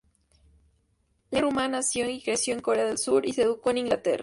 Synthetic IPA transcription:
lerumanasjoŋikɾe̞sjoeŋko̞ɾe̞aðelsuɾise̞ðuko̞enĩŋɡlat̪e̞̰ra

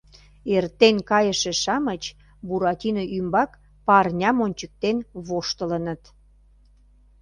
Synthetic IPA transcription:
ert̪enkɑjəʃĕʃɑmət͡ɕ | buɾɑt̪ʲinoʔymbɑk | pɑrnʲɑmonʲt͡ɕək̚t̪enβoʃt̪ələnət̪

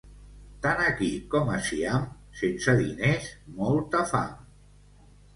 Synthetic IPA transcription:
t̪anəkikɔməsiam | sensəðinesmɔlˠt̪əfa̰m

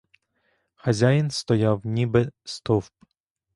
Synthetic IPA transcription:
xɐzʲajinst̪ɔjawnʲibɛst̪ɔfp

